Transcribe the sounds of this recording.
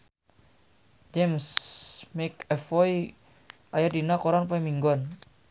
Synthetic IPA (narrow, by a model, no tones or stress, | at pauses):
d͡ʒɛmsmekɛfɔi | ʔajardinakoɾanpɔimiŋɡɔn